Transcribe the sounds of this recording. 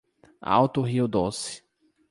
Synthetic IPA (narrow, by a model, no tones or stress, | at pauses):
a̰wt̪ʊɦiʊd̪osɪ̥